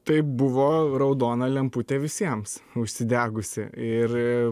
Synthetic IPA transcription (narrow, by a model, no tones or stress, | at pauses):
t̪ɐɪbʊʋoːɾɐʊd̪oːnɐlʲɛmpʊt̪ʲeːʋʲɪsʲiɛmsʊʃʲsʲɪd̪ʲæːɡʊsʲɪ̰ɪɾ